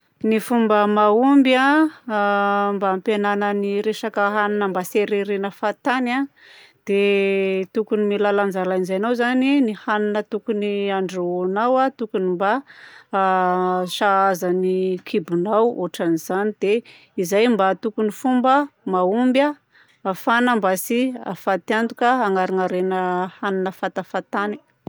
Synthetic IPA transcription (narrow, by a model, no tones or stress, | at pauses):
nifumbəmaumbja | mbampenanəniɾeʃakəɦaninəmbaseɾeɾenəfat̪ana | d̪̥et̪ukunimilaland͡zalainzajnawzaninihaninət̪ukuniaɳɖ͡ʐonawat̪ukunimba | ʃaazanikʰibunawo̰ʈ͡ʂaniz̥anid̪̥e | izajmbat̪ukunifumbəmaumbja | afanəmbasia̰fat̪iand̪ukəaŋaɾaŋaɾenəhaninəfat̪afat̪ani̥